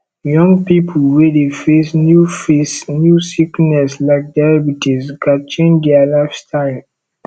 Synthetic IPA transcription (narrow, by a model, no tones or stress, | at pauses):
jɔ̃ŋɡpipʰlwedefesnjufesnjusiknɛslaɪk̚daɹɛbutʰizɡat͡ʃẽndialafstʰaɪl